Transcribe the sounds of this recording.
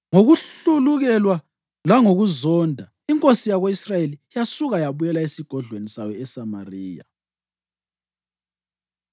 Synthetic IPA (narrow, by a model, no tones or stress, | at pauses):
ŋoɣuɬuluɣɛlwa | laŋoɣuzɔndʱa | iŋkʼosijaɣoisrajelijasuɣajaβujɛlaesiɡ̥ʱɔɮwenisajɔɛsamariːja̰